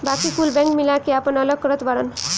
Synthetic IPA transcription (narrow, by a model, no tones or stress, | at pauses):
bakikulbɛ̃ŋkmilakiapʌnʌlʌɡ̚kɾʌt̪baɽʌn